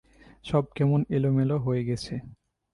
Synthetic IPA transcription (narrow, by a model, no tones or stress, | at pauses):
ʃɔb̚kɛmonelomeloɦoeɡɛt͡ɕʰe